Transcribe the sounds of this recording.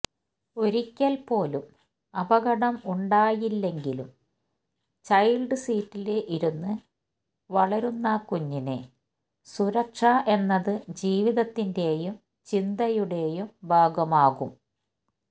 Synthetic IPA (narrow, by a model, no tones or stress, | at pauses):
o̞ɾikʲːɐlpo̞ːlum | ɐbɐɣɐɽɐmuɳɖaːjilːe̞ŋɡilum | t͡ɕɐjlɖɨsiːtːileʔiɾunːɨ | ʋɐɭɐɾunːɐkuɲːine | suɾɐkʂaʔe̞nːɐðɨd͡ʑiːʋiðɐt̪ːinde̞ːjum | t͡ɕind̪ɐjuɽe̞ːjumbʱaːɡɐmaːɣum